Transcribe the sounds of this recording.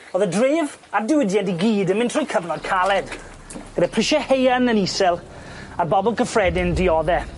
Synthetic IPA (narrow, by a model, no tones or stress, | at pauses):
oːðədrɪːv | adɪwɪdjɛndiɡiːdənmɪ̃ntʰrɔjkʰəvnɔd̚kʰalˠɛd̥ | ɡ̥ədɛpʰrɪʃɛhejanənisɛlˠ | arbɔbɔlˠkʰəfrɛdɪndɪɔðɛ